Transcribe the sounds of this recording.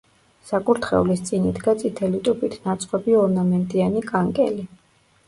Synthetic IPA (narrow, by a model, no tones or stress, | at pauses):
sakʼuɾt̪ʰχɛ̰ulist̪sʼinid̪ɡat̪sʼit̪ʰɛlit̪ʼupʼit̪ʰnat̪sʼqʼɔbiɔɾnamɛnt̪ʼianikʼaŋkʼɛ̰li